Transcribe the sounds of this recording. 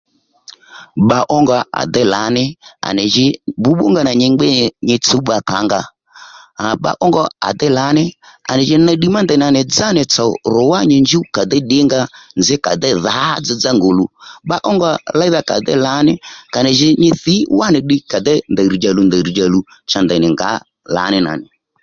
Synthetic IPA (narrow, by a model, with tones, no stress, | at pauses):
ɓa˧ʔɔ˦ŋɡa˧a̰˨d̪ɛ˦la̰˨˦nɪ˦a̰˨nɪ˨ʒɪ˧bʊ˨˦ɓʊ̰˦ŋɡa˦na˨ɲɪ˧ŋ͡mɡ͡bɛ˦˨ɲɪ˧t͡su˨˦ɓa˧ka˨˦ŋɡa˧˨ | ɓa̰˧ʔɔ˦ŋɡɔ˧a̰˨d̪ɛ˦la˨˦nɪ˦a̰˨nɪ˨ʒɪ˦na˧ɗi˦ma˦ndɛ˨n˨a˨nɪ˨d͡za˦nɪ˨t͡sɔ˨ɾʊ˨˦wa˦ɲɪ˧nd͡ʒu˦ka˨d̪ɛ˦ɗɪ˦ŋɡa˧nd͡zɪ˦ka˨d̪ɛ˦ða˨˦d͡zɪ˧d͡za˦ŋɡo˨lu˨ɓa˦ʔɔ˦ŋɡɔ˦˧la˦i˦ða˦ka̰˨d̪ɛ̰˦la˨˦nɪ˦ka˨nɪ˨ʒɪ˧ɲɪ˧θi˨˦wa˦nɪ˨ɗɪ˧ka˨d̪ɛ˦nd̪a˨ɾi˨d͡ʒa˨lu˧nd̪a˨ɾi˨d͡ʒa˨lu˨ | t͡ʃa˨nd̪ɛ˨nɪ˨ŋɡa̰˨˦ | la̰˨˦nɪ˦na̰˨nɪ˨